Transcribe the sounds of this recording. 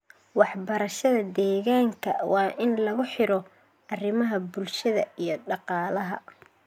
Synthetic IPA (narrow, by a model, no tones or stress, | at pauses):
wɑħbɐɾɐʃɐðɐd̪ɛːɣaːŋkʰɐ̰wɑːʔɪnlɐɣʊħɪɾɔ | ʔɐrɪmɐɦɐbʊlʃɐðɐijɞɖɑqɑːlɐɦɐ